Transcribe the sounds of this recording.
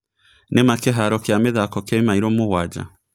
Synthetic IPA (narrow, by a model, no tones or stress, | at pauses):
nemakeɦaɾɔkameðakɔkɛimaiɾɔmoɣwad͡ʒa̰